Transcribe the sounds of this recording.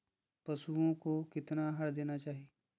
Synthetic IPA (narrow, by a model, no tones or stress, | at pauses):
pɐsuõkokɪt̪naɦɐɽd̪eːnat͡ʃaːɦie